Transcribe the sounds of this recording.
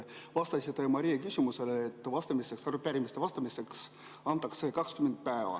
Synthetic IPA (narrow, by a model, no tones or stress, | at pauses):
vɑst̪ɑsit̪emɑɾijɑkysʲimuse̞leːt̪ːˑvɑst̪ɑmise̞ksɑrupːæɾimist̪evɑst̪ɑmise̞ks | ɑnt̪ˑːɑkse̞kɑkskymend̪̥̚pæevɑ̰